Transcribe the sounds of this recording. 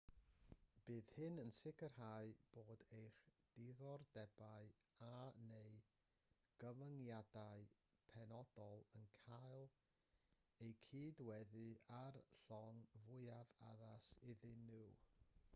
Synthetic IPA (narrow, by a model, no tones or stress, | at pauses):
b̥ɨːðhɨnənsɪkʰərhaːɨb̥oːdejχd̥ɪðɔrdɛbaɨ | anej | ɡ̥əvəŋjadaɨ | pʰɛnɔdɔlˠənkʰajlˠ | ejkʰiːdwɛðɨarɬɔŋvʊɨava̰ðasɪðɪnɪw